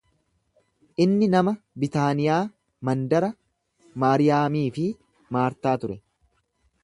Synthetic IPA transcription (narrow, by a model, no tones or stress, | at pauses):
ʔɪnːɪnɐmɐ | bɪt̪aːnɪjaː | mɐnd̪ɐɾɐ | maːɾɪjaːmiːfɪ | maːɾt̪aːt̪ʊɾɛ